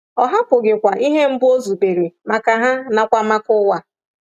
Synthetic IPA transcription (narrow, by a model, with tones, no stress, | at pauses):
ɔ˨ɦa˦pʊ˨ɡɪ˨kʷa˨ʔi˦ɦe˦m̩˦bʊ˦o˦zu˨be˨ɾe˨ma˨ka˨ɦa˦na˨kʷa˦ma˦kʊ˦wa˨